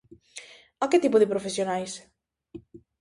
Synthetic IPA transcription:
aket̪ipʊðɪpɾofesjonajs

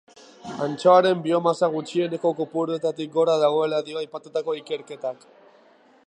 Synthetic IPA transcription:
ant͡ʃoaɾe̞mbio̞masaɣ̞ut͡ʃie̞ne̞ko̞kupuɾuet̪at̪ik̚ɡo̞ɾaðaɣ̞o̞e̞laðioajpat̪ut̪ako̞ike̞ɾke̞t̪ak

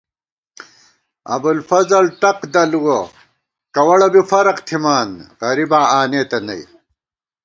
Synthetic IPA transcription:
ɐ̰bulfɐzɐlʈɐqd̪ɐluwo | kɐwɐɽɐbifɐɾɐqt̪ʰimaːnʁɐɾibaːaːneːt̪ɐnɐ̰j

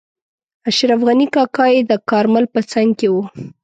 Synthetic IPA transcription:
aʃɾafɣanikɑkɑed̪əkɑɾmalpət͡saŋɡkewu

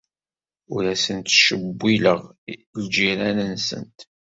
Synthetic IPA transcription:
ʊɾæsənt̪ʃəbːiləʁld͡ʒiɾænənsə̰nt̪

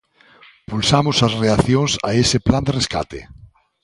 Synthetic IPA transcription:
pulsamʊsɐsreaθjoŋsaesɪpland̪ereska̰t̪ḛ

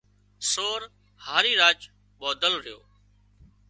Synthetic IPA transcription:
soːɾ | haːɾiːɾaːt͡ʃ | ɓɔːd̪əlɾɪjo̰ː

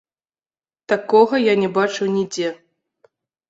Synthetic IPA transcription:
t̪akɔɣɐjanʲɛbat͡ʂɨwnʲid͡zʲɛ

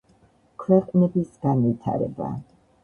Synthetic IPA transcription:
kʰwɛqʼnɛbisɡ̥anvit̪ʰa̰ɾɛ̰ba̰

